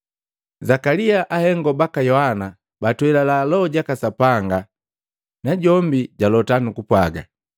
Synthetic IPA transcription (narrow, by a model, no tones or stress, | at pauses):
zakaliaʔahɛŋɡɔbakajɔhana | batwɛlalalɔɟakasapaŋɡa | naɟɔmbiɟalɔtanukupwaɡa̰